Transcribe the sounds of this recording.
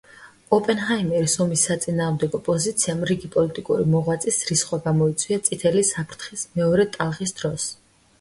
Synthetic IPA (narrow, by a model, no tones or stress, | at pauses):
ɔpʼɛnχajmɛɾisɔmisːat̪sʼinaːʁmd̪ɛɡɔpʼɔzit̪sʰiamɾiɡipʼɔlit̪ʼikʼuɾimɔʁwat̪sʼisɾisχwaɡamɔit̪sʼwiat̪sʼit̪ʰɛlisapʰɾt̪ʰχismɛɔɾɛt̪ʼalˠʁisd̪̥ɾɔs